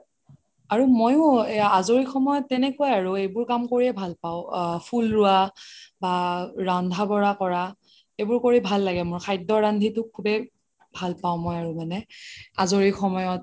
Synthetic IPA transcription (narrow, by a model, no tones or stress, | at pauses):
aɹumojʊ̃azoɹixʰɔmɔjɔtːɛnɛkuajaɹuejbʊɹkamkoɹiɛbʱalpaʊpʰulɹʊabaɹandʱabɔɹakɔɹa | ejbʊɹkoɹibʱalːaɡɛmʊɹkʰajdɔɹandʱitʊkʰːubɛ | bʱalpaʊ̃mɔjaɹumanɛa̰zoɹixɔmɔjɔt̚